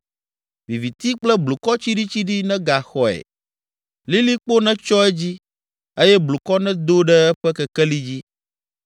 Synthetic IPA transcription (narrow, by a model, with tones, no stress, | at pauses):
vi˨vi˨t̪i˦k͡plɛ˦blu˨kɔ˦t͡ɕi˦ɖi˦t͡ɕi˦ɖi˦nɛ̃˦ɡa˨xɔ˨ɛ̰˨ | li˦li˦k͡po˦nɛ̃˦t͡ʃɔ˦ɛ˦d͡ʑi˦ | e˦jɛ˦blu˨kɔ˦nɛ̃˦d̪o˦ɖɛ˦ɛ˦ɸɛ˦kɛ˨kɛ˦li˦d͡ʑi˦